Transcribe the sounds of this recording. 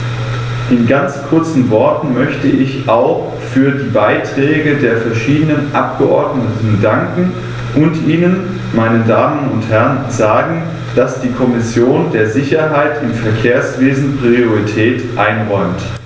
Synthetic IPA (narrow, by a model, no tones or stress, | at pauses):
ʔɪnɡant͡skʰʊɐt͡sn̩vɔɐtn̩mœçtəʔɪçʔaʊx | fyːɐdiːbaɪtʁ̥ɛːɡədeːɐfɛɐʃiːdənənʔap̚ɡ̥əʔɔɐdnətn̩daŋkŋ̩ | ʔʊntʔiːnən | maɪnədaːmənʊnthɛʁənzaːɡŋ̩ | d̥asd̥iːkʰɔmɪsjoːndeːɐzɪçɐɦaɪtɪmfɛɐkʰeːɐsv̥eːzn̩pʁ̥ioʁitʰɛːtʔaɪnʁɔʏmt